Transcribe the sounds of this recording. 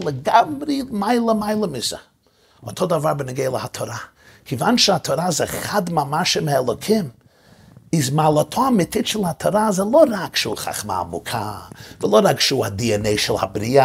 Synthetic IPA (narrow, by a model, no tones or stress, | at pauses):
lˠəɡamɾimaɪlˠəmaɪlˠəmɪsə̰ | ɔthɔdavaɾbənɪɡeɪlˠəhatʰɔɾa | kʰɪvanʃəatʰoɾazɛχadmamaʃəmɪɛlˠokʰɪm | ɪzmaːlˠətʰɔamɪtʰɪt͡ʃəl̩ˠhatʰoɾazɛlˠoɾakʃuːχa̰χma̰mʊ̰kʰa̰vɪlˠoɾakʃuːadiəneɪʃɪlˠha̰bɾiːa